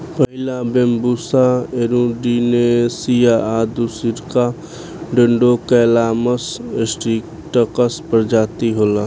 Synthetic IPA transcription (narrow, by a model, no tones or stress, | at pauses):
pəɦɪlãbẽmbuːsaeɾũɖinesijaad̪usiɾka | ɖə̃ɳɖokəːlaːməsesʈiːk | ʈəkəspəɾd͡ʒaːt̪iɦoːlaː